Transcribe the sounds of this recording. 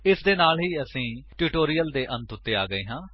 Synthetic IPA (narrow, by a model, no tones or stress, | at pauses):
ɪsd̪eːnaːlɦiːəsĩːʈuːʈoːɾijəld̪eːʔə̃nt̪ʊt̪ːeːaːɡəiːɦãː